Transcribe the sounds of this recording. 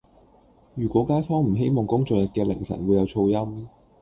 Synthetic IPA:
jyː˨˩kʷɔː˨˥kaː˥jfɔː˥ŋm̩˨˩ɦe˥jmɔː˨ŋkʊ˥ŋt͡sɔː˨jɐ˨t̚kɛː˧lɪ̰˨˩ŋsɐ̰˨˩nwuː˨˧jɐ˨˧wt͡sʰo˧wjɐ˥m

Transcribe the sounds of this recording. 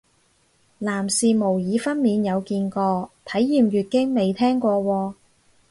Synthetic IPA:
laː˨˩msiː˨mo˨˩wjiː˨˧fɐ˥nmiː˨˧njɐ˨˧wkiː˧nkɔː˧t̪ʰɐ˨˥jːiː˨mɥyː˨˩t̚kɪ˥ŋme˨˧jt̪ʰɛː˥ŋkʷɔː˧wɔː˧

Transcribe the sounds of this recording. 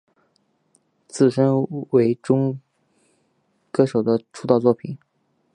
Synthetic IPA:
t͡sɹ̩˥˩ʂə˥nwe˧˥ɪʈ͡ʂʊ˥ŋ | kɤ˥ʂo˨˩ʊd̪ə˦ʈ͡ʂʰu˥t̪ɑ˥˧ʊt͡swɔ˥˩pʰi˨˩˦n

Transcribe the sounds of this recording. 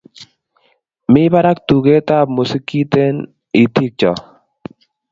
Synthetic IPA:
mɪ˦ba˦ɾa˦k̚t̪u˨ɡe˦t̪a˦˨bmu˨si˦ki˦t̪e˦n | i˨t̪i˦k̚t͡ʃɔ˨

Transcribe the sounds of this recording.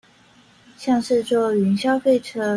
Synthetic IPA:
ɕjɑ˥˧ŋʂɻ̩˥˧t͡swɔ˥˩y˧˥nɕjɑ˥ʊfe˥˩ɪʈ͡ʂʰɤ˥

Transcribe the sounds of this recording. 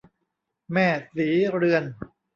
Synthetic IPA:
mɛː˥˩siː˩˦ɾɯ˧ən

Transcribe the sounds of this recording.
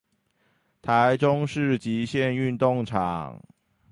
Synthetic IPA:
t̪ʰa˨˦ɪʈ͡ʂʊ˦ŋʂɻ̩˥˩t͡ɕi˨˦ɕjɛ˥˨ny˥˧nt̪ʊ˥˨ŋʈ͡ʂʰɑ̰˨˩ŋ

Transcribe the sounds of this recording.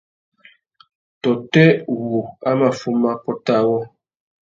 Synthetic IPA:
tɔ˨tɛ˦wu˨a˦ma˨fu˦ma˦pɔ˦ta˦˨wɔ˦

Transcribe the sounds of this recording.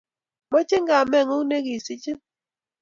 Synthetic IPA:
mɔ˦t͡ʃɪ˦ŋɡa˨mɛ˦˨ŋo˦ŋ˦ne˦ki˨si˦t͡ʃi˦

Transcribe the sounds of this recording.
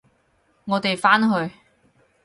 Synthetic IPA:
ŋɔː˨˧t̪e˨jfaː˥nɦɵ˧ɥ

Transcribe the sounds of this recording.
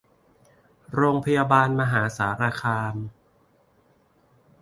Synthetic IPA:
ɾoː˧ŋpʰa˧jaː˧baː˧nma˧ɦaː˩˦saː˩˦ɾaː˧kʰaː˧m

